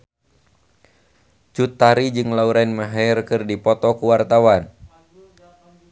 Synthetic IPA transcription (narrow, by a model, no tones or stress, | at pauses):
t͡ʃut̪ːaɾid͡ʒɨŋlauɾainmaɦarkɨrdipɔt̪ɔkuwart̪awan